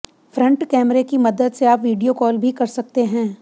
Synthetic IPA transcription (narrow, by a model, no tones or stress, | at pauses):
fɾɐ̃ɳʈkɛːmɾekimɐd̪əd̪seaːpʋiːɖijokɔːlbʱikɐɾsɐk̚t̪eɦɛ̃ː